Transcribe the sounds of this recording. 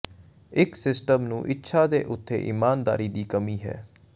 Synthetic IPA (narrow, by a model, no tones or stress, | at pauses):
ɪksɪsʈəmnũːʔɪtːʃʰaːd̪eːʔʊt̪ʰːḛːʔɪmaːnd̪a̰ːɾiːd̪iːkəmiːɦɛ̰ː